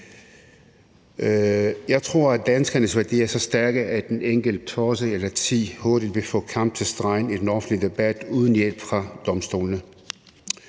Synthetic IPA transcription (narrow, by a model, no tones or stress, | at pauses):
jɑ̈ɪt͡sʰʁo̝ɐ̰æd̥ænsɡ̥ɐnəsʋæɐd̥ḭːɐsɒ̽sd̥æɐɡ̥əʔæ̥eneŋ̰ɡ̥əl̩d̥ət͡sʰɒːs̬əelɐt͡sʰḭːhɔɐɾ̥id̥ʋe̝fɔ̰̽ːkʰɑ̈m̰b̥̚t͡sʰe̝sd̥ʁɑ̈ɪ̰nid̥enɒ̽fn̩dlid̥e̝b̥æd̥uːð̞ˠən̩jel̰b̥fʁɑ̈d̥ɒ̽msd̥o̝̰ːlnə